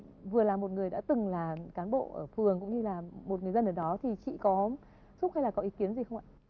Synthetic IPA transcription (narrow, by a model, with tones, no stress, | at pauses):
vɨ˨˩əlaː˨˩mo˨˩t̚ŋɨ˨˩əjɗa̰ː˧˥t̪ɨ˨˩ŋlaː˨˩kaː˨˦nɓo̰˧˨ʔəː˧˩fɨ˨˩əŋkʊ̰˧˥ŋ͡mɲɨ˧laː˨˩mo˨˩t̚ŋɨ˨˩əzə˧nʔəː˧˩ɗɔ˨˦t̪ʰi˨˩t͡ɕḭ˧˨kɔ˨˦ | zʊ˦˥ha˧jlaː˨˩kɔ˨˦ʔi˨˦ki˨˦ənzi˨˩xə˧wŋ͡mʔa̰ː˧˨